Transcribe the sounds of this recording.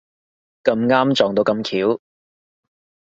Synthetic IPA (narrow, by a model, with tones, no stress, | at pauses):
kɐ˧mŋaː˥mt͡ʃɔː˨˩ŋt̪o˧wkɐ˧mkʰiː˨˥w